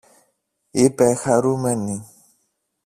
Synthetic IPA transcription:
epɛxaɾumɛnĩ

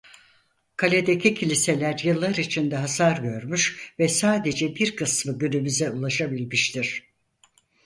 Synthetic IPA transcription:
kʰalʲed̪ecʰicʰilʲise̞lʲæɾjɯlˠːaɾit͡ʃʰind̪ɛɦasaɾɟø̞ɾmyʃvɛsaːd̪e̞d͡ʒɛbiɾkʰɯsmɯɟynymyzɛulˠaʃabilʲmiʃt̪ʰiɾ̥

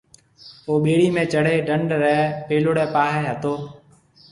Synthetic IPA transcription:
oːɓeːɽiːmẽːt͡ʃəɽ̤eːɖəɳɖɾɛːpeːlʊɽɛːpaːɦɛːɦət̪oː

